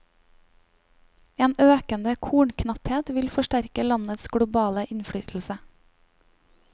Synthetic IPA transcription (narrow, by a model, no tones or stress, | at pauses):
eːnøːkənd̪əkʰuːɳkʰnɑpheːt̪ʋɪlfɔʃʈæɾkəlɑnət̪sɡ̥ɽʊbɑːləʔɪnfɽyːt̪ʰl̩sə